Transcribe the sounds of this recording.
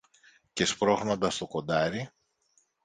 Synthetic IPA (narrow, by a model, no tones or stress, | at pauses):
ce̞spɾo̞xno̞nd̪ɐst̪o̞ko̞nd̪ɐɾi